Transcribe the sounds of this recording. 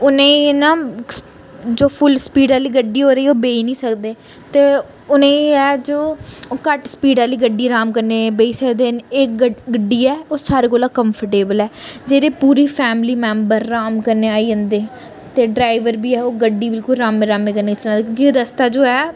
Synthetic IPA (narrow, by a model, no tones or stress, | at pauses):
ʊnẽːnãː | d͡ʒoːpʰʊlspiːɖaːliːɡəɖːiːɦoːɾəiːoːbeːiːnĩːsəkd̪eː | t̪eː | ʊnẽːɛːd͡ʒoːkəʈsə̥piːɖaːliːɡəɖːiːɾaːmkəɾneːbeːiːsəkd̪eːneːkɡəɡəɖːiːɛːoːsaːɾeːkoːlaːkəmpʰəɾʈeːbəlɛːd͡ʒeːɾeːpuːɾiːpʰɛːmliːmɛ̃ːmbəɾːaːmkəɾneːaːiːə̃nd̪eː | t̪eːɖɾaːɪʋəɾbiːɛːoːɡəɖːiːbɪlkʊlɾaːmẽːɾaːmẽːkəɾneːɪt͡ʃaːd̪ekõːkiɾəst̪aːd͡ʒoːɛː